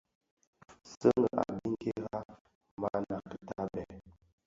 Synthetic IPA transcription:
sə˦ŋɡə˨ʔa˨bi˦ŋ˦ke˦ɣa˦ | ma˦na˨kə˨ta˦bɛ˨

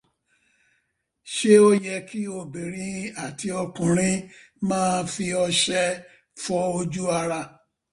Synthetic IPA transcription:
ʃe˦o˦jɛ˧ki˦o˧˨bi˨ɾ̃ĩ˨˦a˦˨ti˧ɔ˧kũ˨ɾ̃ĩ˦ | mãː˦˧fi˧ɔ˧ʃɛ˦ | fɔ˦o˧d͡ʒu˦a˧ɾa˧˨

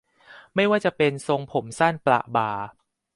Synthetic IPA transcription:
ma˥˩jwaː˥˩t͡ɕa˨˩pe˧nso˧ŋpʰo˩˦msaː˥˩npla̰˨˩ʔbaː˨˩

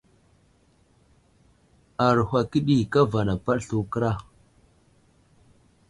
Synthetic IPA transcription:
a˨ɾhʷa˨ki˦ɗi˦ka˦va˨na˨pa˦ɗɬu˨kə˦ɾa˦˨

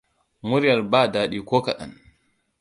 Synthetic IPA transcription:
mu˦ɾi˦ja˨lbaː˦da˨ɗi˨kɔ˦ka˨ɗa̰n

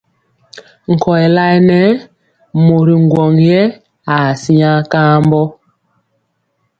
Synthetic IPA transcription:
ŋ̩˨kɔ˨ɛ˨la˦nɛ˦ | mo˨ɾi˨ŋ˨ɡwɔ˨ŋjɛ˦ | a˨si˦a˦kã˦mbɔ˦

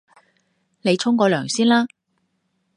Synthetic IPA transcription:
ne˨˧jt͡ʃʰʊ˥ŋkɔː˧lœː˨˩ŋsiː˥nlaː˥

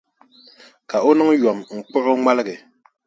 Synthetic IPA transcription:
ka˨o˦nɔ˦ŋjɔ˨mŋ͡m̩˨k͡pɔ˦ʔɔ˦ŋa˦lɡɛ˨

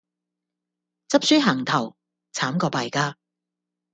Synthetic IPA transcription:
t͡sɐ˥p̚syː˥ɦɐ˨˩ŋt̪ʰɐ˨˩w | t͡sʰaː˨˥mkɔː˧paː˨jkaː˥

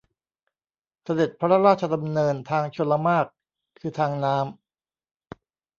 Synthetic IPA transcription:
sa˧de˨˩t̪̚pʰa˦˥ɾa˦˥ɾaː˥˩t̪̚t͡ɕʰa˧d̪a˧mnɤː˧nt̪ʰaː˧ŋt͡ɕʰo˧nla˧˦maː˥˩k̚ʰː | ɯː˧t̪ʰaː˧ŋnaː˦˥m

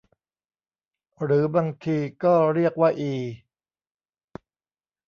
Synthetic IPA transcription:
ɾɯː˩˦baː˧ŋt̪ʰiː˧kɔː˥˩ɾi˥˩ək̚waː˥˩ʔiː˧˩

